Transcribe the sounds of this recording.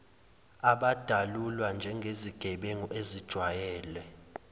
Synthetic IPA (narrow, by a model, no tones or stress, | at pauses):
aɓad̥ʱalulwand͡ʒʱɛŋɡʱeziɡ̥ʱɛɓeŋɔʔezid̥ʒ̥ʱwajɛːlɛ